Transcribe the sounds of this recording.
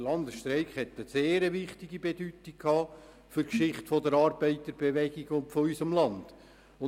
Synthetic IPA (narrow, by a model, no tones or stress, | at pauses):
lɑnd̪əsʃtɾɛɪkhɛt̪ːəseːɾəʋɪχt̪iɡibedytikʰɑː | fʏɾkʃɪχtfɔdəɾɑːɾb̥ɛɪt̪əɾb̥ɛʋɛɡiɡʊntfɔyʏsəmlɑnd̥ | ʊ